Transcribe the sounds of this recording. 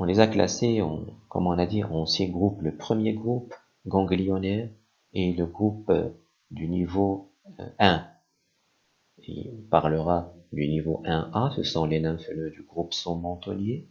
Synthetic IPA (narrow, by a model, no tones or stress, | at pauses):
ɔ̃lezakla̰seɔ̰̃kɔ̰mɔ̃nad̪iʁ̃sjɛ̃ɡʁupləpχəmjeɡʁup | ɡɑ̃ɡlijɔnɛ | eləɡʁup | d̪ynivo̰ | ɛ̃ | ḭpaʁləʁad̪ynivoʔɛ̃asəsɔ̃lenɛ̃fəlød̪yɡʁupsɔ̃mɑ̃t̪ɔ̰nje